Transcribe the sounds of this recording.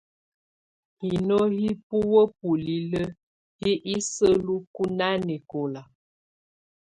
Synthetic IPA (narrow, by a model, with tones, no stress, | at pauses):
hi˨no˦hi˦pu˦wə˦p̚u˨li˨lə˦ | hi˦ʔi˦sə˦lu˦ku˦na˦nɛ˨ko˨la˨